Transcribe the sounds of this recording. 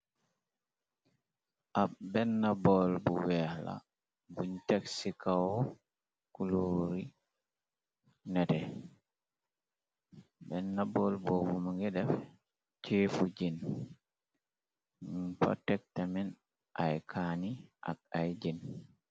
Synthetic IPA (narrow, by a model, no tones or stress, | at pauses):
ʔaɓbɛnːabɔlbuwɛla̰ | buɲtaksikawɔ | kuloɾi | nɛtɛ | bɛnːabɔlbɔbumaŋɡɛdɛf | t͡ʃefud͡ʒin | pɔ̰tɛk̚tamɛn | ʔajkʰaniʔa̰k̚ajd͡ʒin